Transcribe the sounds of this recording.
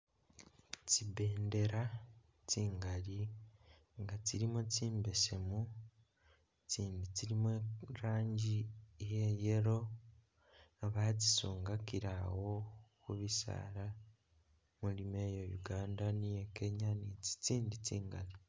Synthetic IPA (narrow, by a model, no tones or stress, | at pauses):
cibe̞ːnde̞ɾa | ciːŋɡaɾi | ŋɡatiɾimociːmbe̞se̞mu | t͡ʃiːndiciɾimeɾaːɲɟijejeɾo̞ | βaci̥suːŋɡakiɾawo̞kuβisa̰ɾa | mulime̞jo̞jṵɡaːndanije̞ke̞ɲanit͡si̥t͡siːnditiːŋɡaɾi